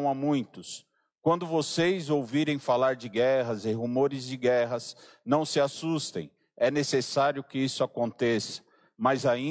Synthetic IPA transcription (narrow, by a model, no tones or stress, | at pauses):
w̃amũj̃t̪ʊs | kwɐ̃nd̪ʊvosejzowviɾẽj̃falaɾd͡ʒɪɡɛɦɐzɪɦumoɾɪzd͡ʒɪɡɛɦɐs | nɐ̃w̃sɪasust̪ḛ̃j̃ | ɛnesesaɾjʊkɪisʊakõnt̪esɐ̥ | mɐzaĩ